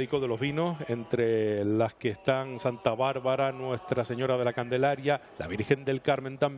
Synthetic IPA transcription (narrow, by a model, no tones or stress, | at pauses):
ðiko̞ðe̞lo̞zβino̞se̞nt̪ɾe̞laskeːst̪aŋsant̪aβaɾβaɾanwe̞st̪ɾase̞ɲo̞ɾað̞elakand̪e̞laɾjalʔa̰βiɾxe̞nd̪e̞lkaɾmẽ̞nt̪am